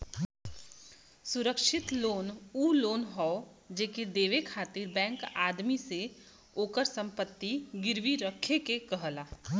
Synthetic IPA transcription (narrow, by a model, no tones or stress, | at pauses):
sʊɾəkʃɪt̪loːnuːloːnɦɔo | d͡ʒeked̪eːʋekʰaːt̪iɾbɛ̃ːŋkaːd̪mise | oːkəɾsə̃mpət̪ːiɡɪɾʋiɾəkʰekekəɦlaː